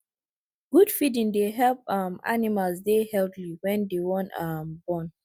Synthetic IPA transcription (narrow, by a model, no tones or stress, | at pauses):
ɡ̥udfidĩŋdeɦɛlp̚ama̰nimalsdehɛltliwɛ̃ndewɔ̃nambɔ̃n